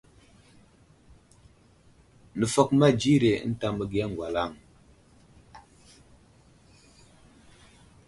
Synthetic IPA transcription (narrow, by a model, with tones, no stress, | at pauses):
nə˨fɔ˦˨k̚ma˦d͡ʒi˦ɾe˨˦n̩˦ta˦mə˦ɡi˦a˦ŋ˨ɡwa˨la˦˨ŋ